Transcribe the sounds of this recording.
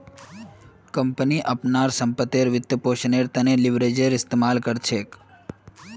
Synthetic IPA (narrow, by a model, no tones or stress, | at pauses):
kəmpniʔəpnaɾsəmpət̪eɾʋɪt̪ːəpoʃneɾt̪əneliʋɾed͡ʒəɾɪst̪emalkəɾt͡ʃʰek